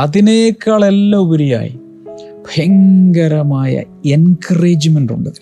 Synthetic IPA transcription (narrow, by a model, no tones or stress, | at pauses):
ɐðineːkːaːɭelːɐbɐɾija̰ːjḭ | bʱɐjɐŋɡɐɾɐmaːjɐ̰enkʰɐreːd͡ʑimenɖṵɳɖɨðil